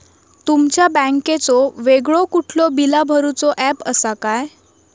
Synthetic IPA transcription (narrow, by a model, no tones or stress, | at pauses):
t̪umt͡ɕjabɛ̃ŋket͡sɔʋeɡɭɔkuʈʰlɔbilabʱəɾut͡sɔʔæpəsakaj